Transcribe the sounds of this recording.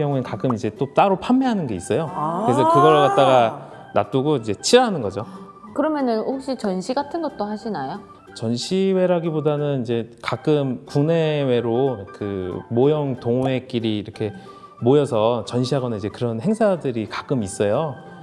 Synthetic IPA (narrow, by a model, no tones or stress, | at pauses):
jʌŋuenkak͈ɯmid͡ʑe̞t͈ot͈aɾopʰamːeɦanɯnɡe̞is͈ʌjokɯɾes̬ʰʌkɯɡʌɭkat̚t͈aɡa | nat͈uɡoid͡ʑe̞t͡ɕʰiɾanɯnɡʌd͡ʑo | kɯɾʌmjʌnɯnhok̚ɕ͈it͡ɕʌnɕʰiɡatʰɯnɡʌt̚t͈oɦaɕʰinajo | t͡ɕʌnɕʰiwe̞ɾaɡibodanɯnid͡ʑe̞kak͈ɯmkune̞we̞ɾokɯmojʌŋtoŋe̞k͈iɾiːɾʌkʰe̞ | mojʌsʰʌt͡ɕʌnɕ̬ʰiɦaɡʌnanid͡ʑe̞kɯɾʌnhe̞ŋsʰadɯɾikḁk͈ɯmis͈ʌjo